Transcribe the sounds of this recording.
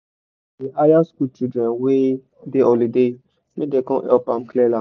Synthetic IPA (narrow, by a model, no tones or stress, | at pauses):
diajaskut͡ʃidɾɛ̃nwe | deʔɔlide | mĩdekɔ̃ʔɛpãmklɛlã